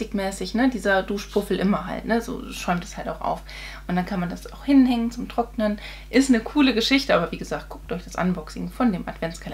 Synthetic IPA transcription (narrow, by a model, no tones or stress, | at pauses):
tɪkmɛːsɪçnədiːzɐduːʃpʰʊfl̩ʔɪmɐɦa̰ltnəzo̰ːʃɔʏmtɛ̥shaltaʊxʔa̰ʊf | ʔʊntd̥ankʰanmandasaʊxhɪnhɛŋənt͡sʊmtʁ̥ɔk̚nən | ʔɪstnəkʰuːləɡəʃɪçtəʔaːbɐviːɡəzaːk̚t̚ɡ̥ʊk̚tɔʏçd̥asʔa̰nvɔksɪɡŋ̩fɔndeːma̰dv̥ɛnt͡skʰal